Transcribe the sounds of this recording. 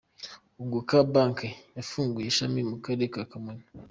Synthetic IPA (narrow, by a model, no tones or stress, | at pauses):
uɡukabaŋkejafuːŋɡujeʃamimukaɾekakamena